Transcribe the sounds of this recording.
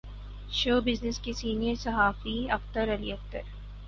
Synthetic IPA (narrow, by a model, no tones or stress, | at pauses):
ʃoːbɪznɪskesiːnijəɾsɐɦaːfiɐft̪əɾɐliɐft̪əɾ